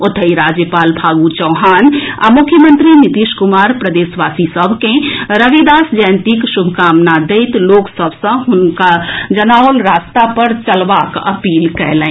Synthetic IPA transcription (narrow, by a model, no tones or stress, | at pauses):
ʊt̪ʰəiɾaːd͡ʒjəpaːlbʱaːɡut͡ʃəʊɦaːna̰mʊkʰːjəmə̃nt̪ɾinɪt̪iʃkʊmaːɾpɾɐd̪eːsʋaːsisəbʱkẽɾəɡed̪aːsd͡ʒaːnt̪ikʃʊbʱkaːmnad̪eɪt̪loːksəbʱsə̃ɦʊnkad͡ʒɐnaːʊlɾaːst̪apɐɾt͡ʃɐlʋakɐ̰piːlkɛɦlẽ